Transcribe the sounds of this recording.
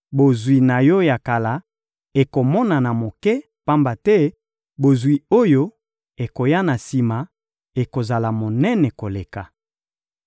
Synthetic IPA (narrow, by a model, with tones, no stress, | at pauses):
bo˨zwi˨na˨jɔ˦ja˨ka˨la˨ | e˨ko˨mɔ˦na˨na˨mo˨kɛ˦ | pa˦mba˨tɛ˦ | bo˨zwi˨o˦jo˦ | e˨ko˨ja˦na˨si˨ma˨ | e˨ko˨za˨la˨mo˨nɛ˦nɛ˨ko˨le˨ka˨